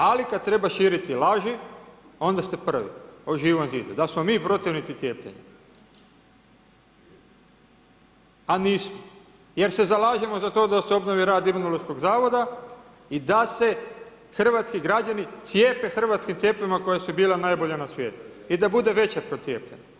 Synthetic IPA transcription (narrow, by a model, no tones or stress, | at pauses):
alikad̪̚t̪ɾe̞baʃiːɾit̪ilaʒio̞nd̪ast̪e̞pr̩ʋḭoʒiːʋonziːd̪ud̪asmo̞miːpɾo̞t̪iʋnit̪it̪sje̞ːplʎḛɲa | aniːsmo | je̞ɾse̞zalaːʒemozat̪o̞ːd̪aseo̞bnoʋiɾaːd̪imunoloʃko̞ɡzaːʋo̞d̪a | id̪ase̞ | xr̩ʋat̪skiɡɾad͡ʒanit̪sje̞ːpe̞xr̩ʋat̪skimt̪sje̞ːpimako̞jesubiːlenajbo̞ʎanasʋje̞ːt̪u̥ | id̪abud̪e̞ʋe̞t͡ɕepɾot̪sʲjeːpʎeni